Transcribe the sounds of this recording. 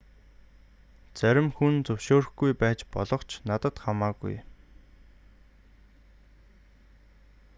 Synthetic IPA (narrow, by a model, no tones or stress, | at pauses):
t͡sæɾʲɪ̆mxunt͡sɵwʃoːɾ̆xɡujpæːt͡ɕpɔɮɞ̆qt͡ɕʰnat̪ə̆t̪χamaːɡṵj